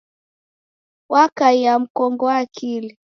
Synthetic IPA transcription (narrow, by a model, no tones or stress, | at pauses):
wʔakaijam̩kɔŋɡɔakʰili